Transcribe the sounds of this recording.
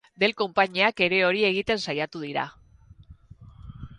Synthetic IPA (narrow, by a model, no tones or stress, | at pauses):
d̪e̞lko̞mpaɲiake̞ɾe̞o̞ɾie̞ɣ̞it̪e̞nsajat̪uðiɾa̰